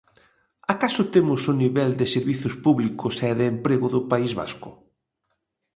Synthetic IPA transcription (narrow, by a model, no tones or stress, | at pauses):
akasʊt̪emʊsʊniβɛld̪ɪseɾβiθʊspuβlikʊsɛðeːmpɾeɣʊðʊpaizβa̰skʊ